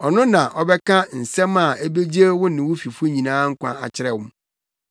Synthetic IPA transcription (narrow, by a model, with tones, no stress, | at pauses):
ɔ˨nʊ̃˦nã˨ʔɔ˦bɛ˦kʰã˦n̩˨sɛ̃˦ma˨e˦be˦d͡ʑe˦wʊ̃˦nɪ̃˨wʊ˦fi˨fu˦e˦ɲĩ˨nãː˦ŋ̩˦kʷã̰˦a̰˨t͡ɕʰɪ˦ɾɛ˨wʊ̃˦m